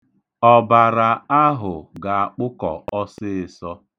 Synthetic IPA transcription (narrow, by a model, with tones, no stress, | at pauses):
ɔ˦ba˨ɾa˨a˦ɦʊ˨ɡa˨a˨k͡pʊ˦kɔ̰˨ʔɔ˦sɪ˦ɪ˨sɔ˦